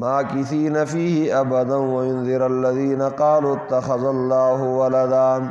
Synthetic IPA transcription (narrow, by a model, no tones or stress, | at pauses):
maːkɪθiːnafiːhɪʔabɐd̪anwɐjʊnðɪɾalːɐðiːnɐqɑːluːɪt̪ːɐxɐðalːɑːɦʊwɐlɐd̪aːn